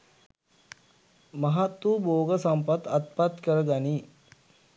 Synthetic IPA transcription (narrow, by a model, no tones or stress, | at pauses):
maɦat̪ːuːboːɡəsampat̪at̪̚pat̪kəɾəɡ̪ani